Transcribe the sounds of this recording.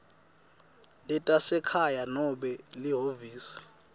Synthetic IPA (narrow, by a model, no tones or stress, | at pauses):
lɛtʼasɛkʰajanɔɓɛliɦoviːsi̥